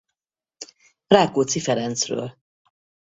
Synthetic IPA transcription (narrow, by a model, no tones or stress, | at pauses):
fraːkoːt̪sifɛɾɛnt̪srø̰ːl